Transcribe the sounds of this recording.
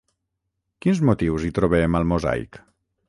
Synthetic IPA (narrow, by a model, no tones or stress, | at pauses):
kinzmut̪iwzit̪ɾoβeməlˠmoza̰jk